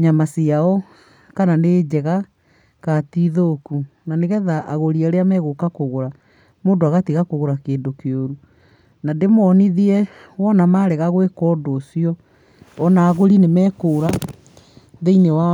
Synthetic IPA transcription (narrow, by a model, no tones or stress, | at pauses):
ɲamasiaɔ | kananeːd͡ʑɛɣa | katiðokunaneɣɛðaʔaɣoɾiaɾeamɛɣokakoɣoɾa | moːndoaɣatiɣakoɣoɾakeːndokeoɾu | nademɔːniðiɛwɔnamaɾɛɣaɣwekɔːdoːsiɔ | ɔnaːɣoɾinemɛːkoːɾa | ðeinewa